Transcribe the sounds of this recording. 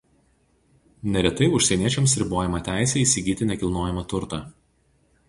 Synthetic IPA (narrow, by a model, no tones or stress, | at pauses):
nʲɛɾʲɛt̪ɐɪʊʃʲsʲɛnʲiɛt͡ʃʲɛmsɾʲɪboːjɛmɐt̪ʲæˑɪsʲɛiːsʲɪɡʲiːt̪ʲɪnʲɛkʲɪlˠnoːjɛmɐt̪ʊɾt̪ɐː